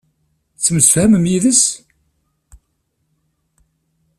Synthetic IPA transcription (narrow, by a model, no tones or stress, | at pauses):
t͡sːəməsəfhæməmjiðəs